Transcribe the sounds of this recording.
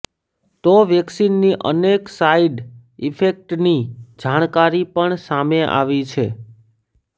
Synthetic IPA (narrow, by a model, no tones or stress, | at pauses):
t̪oʋjɛksinːiʔə̰neksaiɖ | ifʰek̚ʈnid͡ʒaɽ̃kaɾipəɳsameʔa̰ʋit͡ʃʰe